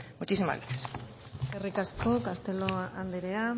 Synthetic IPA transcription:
mut͡ʃisima̰lies | erikasko̞kast̪e̞loand̪eɾea

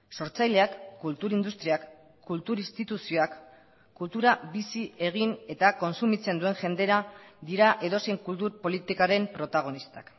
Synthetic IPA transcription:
so̞ɾt͡sajle̞akːult̪uɾind̪ust̪ɾiak | kːult̪uɾist̪it̪usio̞akː | ult̪uɾabisie̞ɣ̞ine̞t̪ako̞nsumit͡se̞nd̪ue̞ŋʝe̞nd̪e̞ɾad̪iɾaʔe̞ðo̞se̞jŋkult̪uɾpo̞lit̪ikaɾe̞mpɾo̞t̪aɣ̞o̞nist̪ak

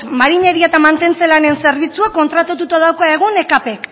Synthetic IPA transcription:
maɾiɲe̞ɾiet̪amant̪e̞nt͡se̞lane̞nse̞ɾβit͡suako̞nt̪ɾat̪ot̪ut̪aðawkaeɣ̞une̞kapek

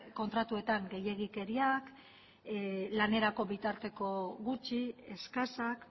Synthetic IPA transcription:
ko̞nt̪ɾat̪ue̞t̪aŋɡe̞je̞ɣ̞ike̞ɾiak | lane̞ɾako̞βit̪aɾt̪e̞ko̞ɣut͡ʃie̞skasak

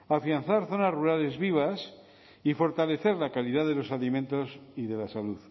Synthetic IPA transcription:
afianθaɾθo̞nazruɾale̞zβiβ̞as | ifo̞ɾt̪ale̞θe̞ɾlakaliðaðe̞lo̞salimẽnt̪o̞siðe̞lasaluð

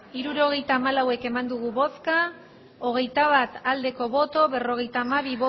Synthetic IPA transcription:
iɾuɾo̞ɣ̞e̞jt̪aːmalawe̞ke̞mand̪uɣ̞uβo̞ska | o̞ɣ̞e̞jt̪aβ̞at̪ald̪e̞ko̞βo̞t̪o̞βe̞ro̞ɣ̞e̞jt̪aːmaβiβo

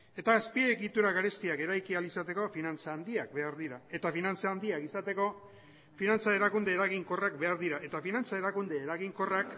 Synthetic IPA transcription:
e̞t̪aːspieɣit̪uɾaɣaɾe̞st̪iake̞ɾajkialisat̪e̞ko̞finant͡saːnd̪iak̚be̞aɾðiɾae̞t̪afinant͡saːnd̪iakisat̪e̞ko̞ | finant͡sae̞ɾakund̪e̞ːɾaɣiŋko̞rak̚be̞aɾðiɾae̞t̪afinant͡sae̞ɾakund̪e̞ːɾaɣiŋko̞rak

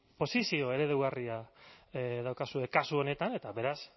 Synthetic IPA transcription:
po̞sisio̞e̞ɾe̞ðewɣaria | ðawkasue̞kasuo̞ne̞t̪ane̞t̪aβe̞ɾas

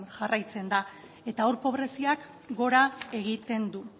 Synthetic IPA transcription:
nʝarajt͡se̞nd̪a | e̞t̪aoɾpo̞βɾe̞siak | ɡo̞ɾae̞ɣ̞it̪e̞nd̪u

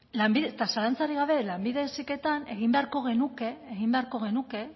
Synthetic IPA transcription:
lambiðet̪asalant͡saɾiɣ̞aβ̞e̞lambiðesike̞t̪ane̞ɣimbe̞aɾko̞ɣe̞nuke̞ːɣimbe̞aɾko̞ɣ̞e̞nuke̞

